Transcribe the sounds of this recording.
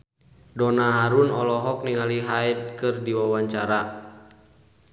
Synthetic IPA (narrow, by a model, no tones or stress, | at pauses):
dɔnaɦaɾunɔlɔɦɔk̚niŋaliɦait̪̚kɨrdiwawaɲt͡ʃaɾa